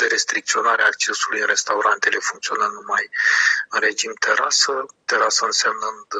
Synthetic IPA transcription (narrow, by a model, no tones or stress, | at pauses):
d̪eɾe̞st̪ɾik̚t̪sio̞naɾeak̚t͡ʃe̞sulujɨnɾe̞st̪auɾʔant̪e̞le̞fuŋkt̪sio̞nənumajɨnre̞d͡ʒimt̪ʰe̞ɾa̰sət̪e̞ɾasəɨnsamnɨnd̪